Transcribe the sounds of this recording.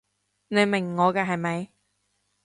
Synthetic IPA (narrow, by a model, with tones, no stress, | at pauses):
ne˨˧ɥmɪ˨˩ŋːɔː˨˧kɛː˧ɦɐ˨jmɐ˨˧j